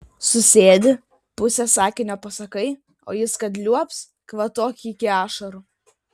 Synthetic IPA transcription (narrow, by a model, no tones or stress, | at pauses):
sʊsʲeːd̪ʲɪ | pʊsʲɛsɑːkʲɪnʲoːpɐsɐkɐɪ | o̰ːjɪskɐt̪lʲuɔps | kʋɐt̪oːkʲɪkʲɪɑːʃɐɾu